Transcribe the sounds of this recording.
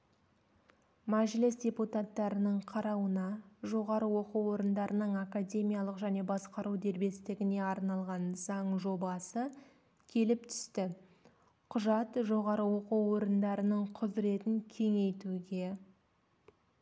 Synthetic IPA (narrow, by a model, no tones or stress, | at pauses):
mæʒlɪsdʲe̞put̪at̪ːɑɾənəɴqʰɑɾɑwənɑʒo̞ʁɑɾəwo̞quwo̞ɾənd̪ɑɾənəɴakadʲe̞mijɑlˠəqʒæne̞bɑsqɑɾuwd̪e̞ɾbe̞st̪ɪɡʲɪne̞ɑɾnɑlˠʁɑnzɑɴʒo̞bɑsə | kʲʰe̞lɪpt̪ʰʏ̥st̪ɪ | qʰʊʒɑt̪ʒo̞ʁɑɾəwoquwo̞ɾənd̪ɑɾənəɴqʰʊzɾe̞t̪ɪŋkʲʰe̞ŋe̞jt̪uɡʲe̞